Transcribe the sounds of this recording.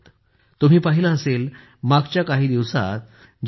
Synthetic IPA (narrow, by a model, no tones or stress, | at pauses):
t̪ | t̪um̤iːpaɦilaəseːl | maɡt͡ɕjakaɦiːd̪iʋsa̰t̪̚ | d͡ʑ